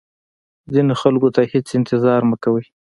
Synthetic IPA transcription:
zinoxalkot̪ahet͡sɪnt̪ɪzɑɾməkawəj

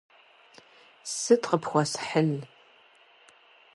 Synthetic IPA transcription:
sɨtqəpʰxʷɔsħəɮ

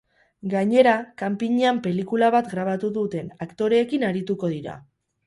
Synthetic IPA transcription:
ɡaɲe̞ɾakampiɲeampe̞likulaβat̪ɡɾaβ̞at̪uðut̪e̞nakt̪o̞ɾe̞ːkinaɾit̪uko̞ð̞iɾa̰

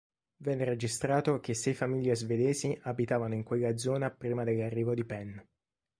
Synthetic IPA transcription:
vɛnːeɾed͡ʒist̪ɾaːt̪ok̟esːɛjfamiʎːezved̪eːsiʔabit̪aːvanoiŋkweɣːad̪zːɔːnapɾiːmad̪elːarːiːvod̪ipɛnː

